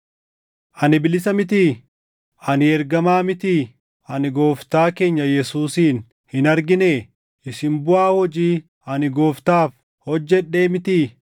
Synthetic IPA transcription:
ʔɐnɪbɪlɪsɐmɪt̪̬iː | ɐnɪɛɾɡɐmaːmɪt̪iː | ɐnɪɡo̞ːft̪aːke̞ːɲːɐjɛsuːsiːn | hɪnɐɾɡɪneː | ʔɪsɪmbʊʔaːhɔd͡ʒiː | ɐnɪɡo̞ːft̪aːf | hɔd͡ʒːɛᶑe̞ːmɪt̪iː

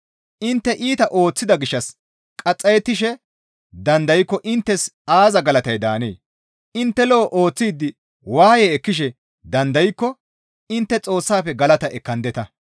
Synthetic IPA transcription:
ʔɪnt̪ːɛʔiːt̪ɐʔo̞ːt͡sːɪd̪ɐɡɪʃːɐs | kʼɐt͡sʼːɐjɛt̪ːɪʃɛ | d̪ɐnd̪ɐjkːɔʔɪnt̪ːɛsaːzɐɡɐlɐt̪ɐjd̪aːnḛː | ɪnt̪ːɛloʔo̞ːt͡sːiːd̪ːɪ | waːjeːɛkːɪʃɛ | d̪ɐnd̪ɐjkːɔ | ɪnt̪ːɛt͡sʼo̞ːsːaːfɛɡɐlɐt̪ɐʔɛkːɐnd̪ɛt̪ɐ

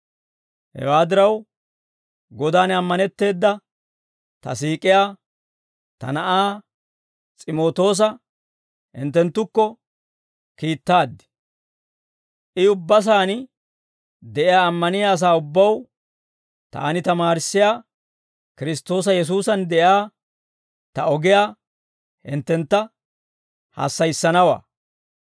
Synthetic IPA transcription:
hɛ̰waːd̪ɪɾɐw | ɡɔd̪aːnɐmːɐnɛt̪ːe̞ːd̪ːɐ | t̪ɐ̰siːkʼɪjaː | t̪ɐ̰nɐʔaː | t͡sʼɪmo̞ːt̪o̞ːs̬ɐ | hɪ̰nt̪ːɛnt̪ːʊkːɔ | kiːt̪ːaːd̪ːɪ̥ | ʔɪʊbːɐs̬aːnɪ | d̪ɛʔɪjaːmːɐnɪjaːs̬aːʊbːɐw | t̪a̰ːnɪt̪ɐmaːɾɪsːɪjaː | kɪɾɪst̪o̞ːs̬ɐjɛs̬uːsɐnd̪ɛʔjaː | t̪ɐɔɡɪjaː | hɪnt̪ːɛnt̪ːɐ | ha̰ːsːɐjsːɐnɐwa̰ː

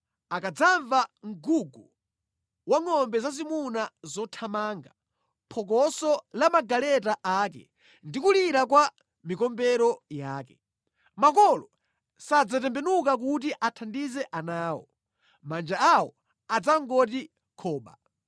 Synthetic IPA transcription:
akad͡zaɱvaŋ̩ɡuɡu | waŋɔmbɛzazimunazɔtʰamaːŋɡa | pʰɔk̬ɔsɔlamaɡalɛtaʔakɛ̰ | ndikuliɾakwa | mikɔmbɛɾɔjaːkɛ | makɔlɔ | sad͡zatɛmbɛnuk̬ak̬ut̬iʔatʰandizɛʔanaːwɔ̰ | mand͡ʒaawɔ | ad͡zaŋɡɔt̬i | kʰɔːɓa̰

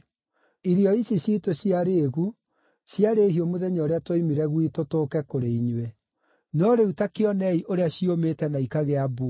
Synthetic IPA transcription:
iɾiɔisiɕitoɕiaɾeːɣu | sjaɾeːɦiomoðɛɲɔːɾeatwoimiɾɛɣwitotoːkɛkoɾeiɲwe | nɔɾeutakeɔnɛiʔoɾeaɕiometɛnaikaɣeabo

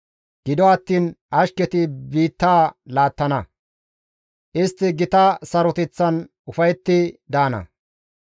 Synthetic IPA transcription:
ɡ̥ɪd̪ɔɐt̪ːiːnʔɐʃkɛt̪ɪbiːt̪ːaːlaːt̪ːɐnɐ | ʔɪst̪ːɪɡɪt̪ɐsɐɾɔt̪ɛt͡sːɐn | ʊfɐjt̪ːɪd̪aːnɐ̰

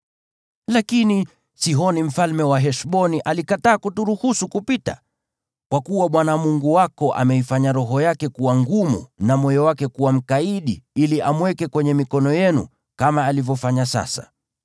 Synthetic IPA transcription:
lakini | siɦɔnim̩falmɛwaɦɛʃɓɔniʔalikataːkutuɾuhusukupita̰ | kwakuwaɓwanamuŋɡuwakɔʔa̰mɛifaɲaɾɔɦɔjakɛkuwaŋɡumṵnamɔjɔwakɛkuwam̩kaiɗiiliʔamwɛkɛkwɛɲɛmikɔnɔjɛnṵ | kamaːlivjɔfaɲasa̰sa̰

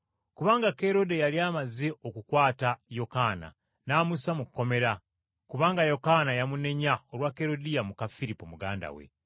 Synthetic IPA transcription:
kuβaːŋɡake̞ɾo̞de̞jaliaːmazeʔokukwaːtajo̞kana̰ | naːmusamukːo̞me̞ɾa | kuβaːŋɡajo̞kanajamune̞ɲaoɾwake̞ɾo̞dijamukafiɾipomuɡa̰ːnda̰wḛ

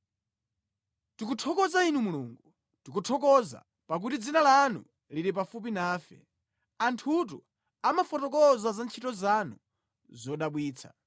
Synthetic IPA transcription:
tik̬utʰɔkɔzainumuluːŋɡu | tikutʰɔkɔza̰ | pak̬utid͡zinalanṵ | liɾipafup̬inaːfɛ̰ | antʰutu | amafɔtɔkɔzazant͡ʃʰitɔzanu | zɔɗaɓwiːt͡sʰa

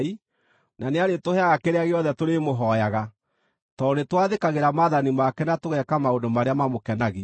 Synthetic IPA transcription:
i | naneaɾetohɛaɣakeɾeaɣeɔðɛtoɾemoɦɔjaɣa | tɔnetwaðekaɣeɾamaðanimakɛnatoɣɛkamaondomaɾeamamokɛnaɣe

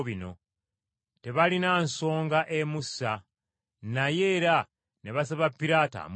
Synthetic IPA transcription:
βino̞̰ | te̞βalinaːnso̞ːŋɡaʔe̞musa | naje̞ːɾa | ne̞βas̬aβapːiɾaːta̰m

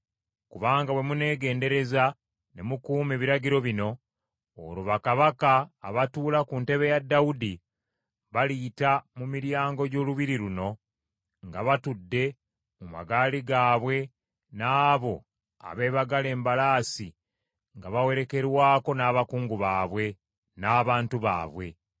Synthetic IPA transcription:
kuβaːŋɡaβwe̞mune̞ːɡe̞ːnde̞ɾe̞za | ne̞mukuːmeβiɾaɟiɾo̞βino̞ | o̰ɾuβakaβakaːβatuːlakunte̞βe̞jadːaudi | βalitamumiɾjaːŋɡo̞ɟo̞ːluβiɾiɾuno̞ | ŋɡaβatudːe̞ | muma̰ɡaːliɡaːβwe̞ | naːβo̞ | a̰βe̞ːβaɡale̞ːmbalaːsi | ŋɡaβawe̞ɾe̞ke̞ɾwaːko̞naːβakuːŋɡuβaːβwe̞ | naːβaːntuβa̰ːβwe̞

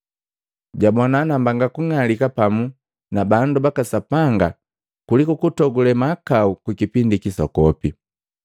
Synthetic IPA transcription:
ɟabɔnanambaŋɡakuŋalikapamu | nabandubakasapaŋɡa | kulikukutɔɡulɛmakaukwikipindikisɔ̰kɔpi

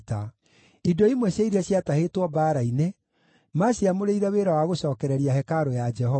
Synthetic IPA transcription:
ta | idoimwɛɕjaiɾiɛɕjatahetwɔbaːɾaine | maɕiamoɾeiɾɛweːɾawaɣoɕɔːkɛɾɛɾiahɛkaɾojad͡ʒɛhɔ

